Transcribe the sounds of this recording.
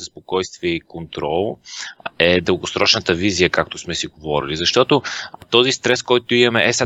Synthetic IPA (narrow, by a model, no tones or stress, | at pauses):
zɐspokɔjst̪viəikont̪ɾɔlˠ | ɛd̪əlˠɡosɾɔt͡ʃnət̪əvizijəkak̚t̪osmɛsiɡovɔɾilizɐʃt̪ɔt̪ot̪ɔzist̪ɾɛskɔjt̪ʊimɐmɛʔɛs